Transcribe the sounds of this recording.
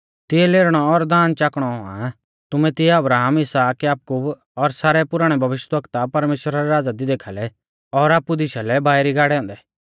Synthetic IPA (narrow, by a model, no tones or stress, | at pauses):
t̪ɪɛleːɾɽ̃ɔːɾd̪aːnt͡ʃaːkɽ̃ɔɦʊa̰ | t̪ʊmɛt̪ɪɛɐbɾaːɦəmɪsaːkjaːkuːb | ɔɾsaːɾɛpʊɾaːɽ̃ɛbʱɐʋɪʃjt̪ʋəkt̪apɐɾmeːʃwɾaɾɛɾaːd͡zad̪id̪eːkʰalɛ | ɔɾaːpːud̪ɪʃalɛbʱaːɾiɡaːɽɛɔ̃ːnd̪ɛː